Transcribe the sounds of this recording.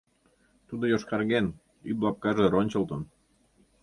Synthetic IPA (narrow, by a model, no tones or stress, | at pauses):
t̪ud̪ojoʃkɑrɣen | yblɑp̚kɑʒeɾonʲt͡ɕə̆lt̪ən